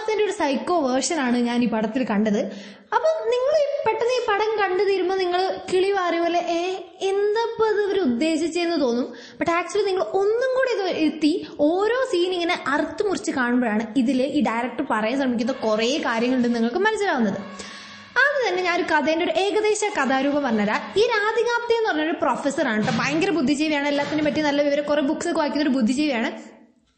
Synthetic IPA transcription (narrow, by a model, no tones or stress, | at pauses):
t̪ːendeo̞ɾusɐjko̞ːʋɐrʂɐnaːɳɨɲaːniːpɐɽɐt̪ːilkɐɳɖɐðɨ | ɐpːoːniŋːɐɭipːeʈːɐnːɨiːpɐɽɐŋkɐɳɖɐðiɾumːɐniŋːɐɭkiɭiʋaːrijʋoːlːeʔeː | end̪ɐpːɐðɨoɾuud̪ːe̞ːɕɐt͡ɕːejunːɐt̪o̞ːnːum | b̥ɐʈːaːk̚t͡ɕuɐliniŋːɐɭo̞nːuŋɡoːɽeɐðiɾut̪ːio̞ːɾo̞ːsiːniŋːɐneʔɐrt̪ːumurit͡ɕːɨkaːɳɨmbɐɾaːɳɨiðileʔiːɖɐjrɐk̚ʈɐrpɐrɐjɐmɕrɐmikʲːunːɐkureːkaːɾjɐŋːɐɭuɳɖenːiŋːɐɭkɨmɐnɐsːɐlaːʋunːɐðɨ | ɐðɨt̪ɐnːe̞ɲaːnoɾukɐðɐjndoɾuʔe̞ːɣɐðe̞ːɕɐkɐðaːɾuːbɐmpɐrɐɲːaːɾaiːɾaːd̪ʱiɣaːpt̪ːɐjenːɨpɐrɐɲːɐɾoɾuproːfesɐraːɳɨʈːɨbaːŋɡɐrɐbud̪ʱːit͡ɕejʋɐjaːɳɨelːaːt̪ːinepɐʈːinɐlːɐʋiʋɐɾɐkurebuksekːʋaːɣikʲːunːoɾubud̪ʱːit͡ɕe̞jʋɐjaːɳɨ